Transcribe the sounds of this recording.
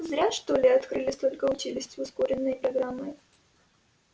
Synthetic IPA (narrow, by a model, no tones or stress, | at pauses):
zɾʲaʂt̪olʲɪɐt̪kɾɨlʲɪsʲt̪o̞lʲkəʊt͡ɕilʲɪsʲtʲvʊskoɾʲɪnːəjpɾɐɡɾamːɨ